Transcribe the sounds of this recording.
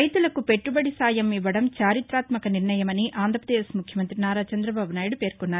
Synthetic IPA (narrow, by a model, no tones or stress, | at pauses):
ɐjt̪ulɐkupe̞ʈːubɐɽisaːjɐmiʋːɐɽɐmt͡ʃaːɾit̪ɾaːt̪mɐkɐniɾɳɐjɐmɐniʔaːnd̪ʱɾɐpɾɐd̪eːsmukʰjɐmɐnt̪ɾinaːɾaːt͡ʃɐnd̪ɾɐbaːbunaːjiɽupe̞ːɾkɔnːaːɾ